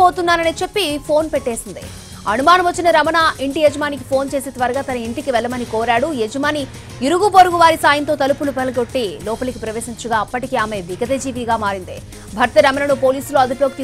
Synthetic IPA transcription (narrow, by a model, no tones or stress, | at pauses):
oːt̪unːaːnɐniːt͡ʃe̞pːipʰo̞ːnpeʈːe̞ːsind̪ḭ | ɐ̰numaːnɐmʋɐt͡ʃːinɐɾɐmɐnaiɳʈijed͡ʒɐmaːnikipʰo̞ːnt͡ʃe̞ːset̪ʋaːɾɐɡaːt̪ɐnɐiɳʈikiʋɛɭːɐmɐnikoːɾaːɽujed͡ʒɐmaːni | iɾuɡupɐɾuɡuʋaːɾisaːjɐnt̪o̞ːt̪ɐlupulupɐlɐɡo̞ʈːiːlɔːpɐlɐkipɾɐʋe̞ːsiɲt͡ʃuɡaːɐpːɐʈikiaːme̞ʋiɡɐd̪ɐd͡ʒiːʋiɡaːmaːɾind̪ḭ | bʱɐɾt̪ɐɾɐmɐnɐnupoːliːsuloːɐd̪upjoːɡ̚t̪i